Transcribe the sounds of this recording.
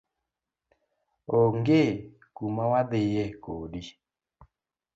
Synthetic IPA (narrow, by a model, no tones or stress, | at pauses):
oŋɡe | kumawadɪjekodi